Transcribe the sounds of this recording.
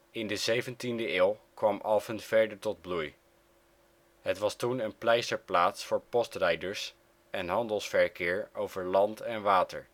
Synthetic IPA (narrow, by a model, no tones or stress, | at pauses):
ɪndəzejvəntindəɪːlˠkʋɑmʔɑfəntfɛɹdəɹtɔd̚bluj | ɦətʋɑstunənplɛjsəɹplaːtsfʊːɹpɔstrɛjdəɹs | ɛnɦɑndəlˠsfɛɹkɪːɹowvəɹlɑntɛnʋaːtəɹ